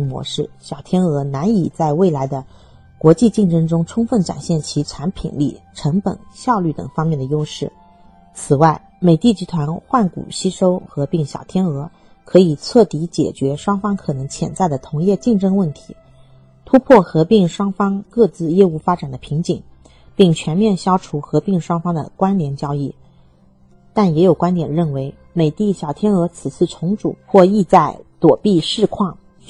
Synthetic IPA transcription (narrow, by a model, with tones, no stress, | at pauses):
mwɔ̰˧˥ʂɻ̩˥˩ɕjɑ˨˩ʊt̪ʰjɛ˥nɤ˧˥na˧˥ni˨˩t͡sa˥˧ɪwe˥˩ɪla˧˥ɪd̪ə˧ | kwɔ˧˥t͡ɕi˥˧t͡ɕi˥˩ŋʈ͡ʂɤ˥ŋʈ͡ʂʊ˥ŋʈ͡ʂʰʊ˥ŋfə˥˩nʈ͡ʂa̰˨˩nɕjɛ˥˩nt͡ɕʰi˧˥ʈ͡ʂʰa˧˥npʰḭ˨˩nlḭ˥˩ʈ͡ʂʰɤ˧˥ŋpə̰˨˩nɕjɑ˥˧ʊly˥˩t̪ɤ̰˨˩ŋfɑ˥ŋmjɛ˥˩nd̪ə˩jo˥ʊʂɻ̩˥˩ | t͡sʰɹ̩˨˩wa˥˩ɪ | me˨˩ɪt̪i˥˩t͡ɕi˧˥t̪ʰwa˧˥nxwa˥˩nkṵ˨˩ɕi˥ʂo˥ʊxɤ˧˥pi˥˩ŋɕjɑ̰˨˩ʊt̪ʰjɛ˥nɤ˧˥ | kʰɤ˧˥i˨˩t͡sʰɤ˥˩t̪i˧˥t͡ɕjɛ̰˨˩t͡ɕɥɛ˧˥ʂwɑ˥ŋfɑ˥ŋkʰɤ˨˩nɤ˧˥ŋt͡ɕʰjɛ̰˧˥nt͡sa˥˩ɪd̪ə˩t̪ʰʊ˧˥ŋjɛ˥˧t͡ɕi˥˧ŋʈ͡ʂɤ˥ŋwə˥˩nt̪ʰi̥˧˥ | t̪ʰu˥pʰwɔ˥˩xɤ˧˥pi˥˩ŋʂwɑ˥ŋfɑ˥ŋkɤ˥˧t͡sɹ̩˥˧jɛ˥u˥˩fa˥ʈ͡ʂa˨˩nd̪ə˦pʰi˧˥ŋt͡ɕi˨˩ŋ | pi˥˩ŋt͡ɕʰɥɛ˧˥nmjɛ˥˩nɕjɑ˥ʊʈ͡ʂʰu˧˥xɤ˧˥pi˥˩ŋʂwɑ˥ŋfɑ˥ŋd̪ə̰˨kwa˥nljɛ˧˥nt͡ɕjɑ˥ʊi˥˩ | t̪a˥˩njɛ˧˥jo˨˩ʊkwa˥nt̪jɛ˨˩nɻə˥˩nwe˧˥ɪ | me˨˩ɪt̪i˥˩ɕjɑ˨˩ʊt̪ʰjɛ˥nɤ˧˥t͡sʰɹ̩˨˩t͡sʰɹ̩˥˩ʈ͡ʂʰʊ˧˥ŋʈ͡ʂṵ˨˩˦xwɔ˥˧i˥˧t͡sa˥˩ɪt̪wɔ˨˩pi˥˧ʂɻ̩˥˧kʰwɑ˥˩ŋ